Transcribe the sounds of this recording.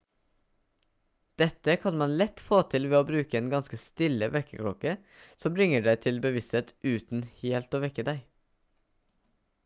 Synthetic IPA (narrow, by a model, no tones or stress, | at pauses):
d̪̥ɛt̪əkʰɑnmɑnlɛt̪foːt̪ʰɪlʋeːoːbɾʉːkəeːnɡɑnskəst̪ɪləʋɛkəkʰɽɔkə | sɔmbɾɪŋəɖæɪt̪ʰɪlbəʋɪst̪heːt̪ʉːt̪n̩heːlt̪oːʋɛkəd̪æɪ